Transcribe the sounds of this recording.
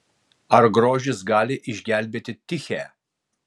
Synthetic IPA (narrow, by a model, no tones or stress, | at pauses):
ɐɾɡɾoːʒʲɪsɡɑːlʲɪʔɪʒʲɡʲæːlʲbʲeːt̪ʲɪt̪ʲɪxʲɛː